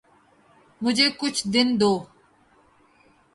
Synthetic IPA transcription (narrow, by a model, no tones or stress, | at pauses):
mʊd͡ʒʱeːkʊt͡ʃʰd̪ɪnd̪oː